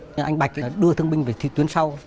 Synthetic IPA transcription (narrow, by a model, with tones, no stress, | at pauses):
ʔa˧jŋ̟ɓa̰˨˩k̟̚ɗɨ˧ət̪ʰɨ˧əŋɓï˧ŋveː˨˩t̪ʰi˨˧˩t̪wi˨˦ənsa˧w